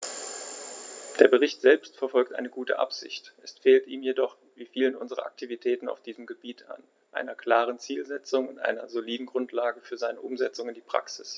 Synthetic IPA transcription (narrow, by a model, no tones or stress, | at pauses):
d̥eːɐbəʁ̞ɪçtz̥ɛlpstfɛɐfɔlk̚tʔa̰ɪnəɡuːtə̰ʔa̰pz̥ɪ̰çtʔɛsfeːltʔiːmjedɔχ | viːfiːlənʔʊnzəʁɐ̰ʔa̰k̚tʰivitʰɛːtn̩a̰ʊfd̥iːzəm̩ɡəbiːtʰa̰n | ʔa̰ɪnɐkl̥aːʁ̞ənt͡siːlzɛt͡sʊŋʊntʔa̰ɪnɐ̰zoliːdn̩ɡʁʊntʰlaːɡəfyːɐzaɪnəʔʊmzɛt͡sʊŋɪndiːpʁ̥a̰ksɪs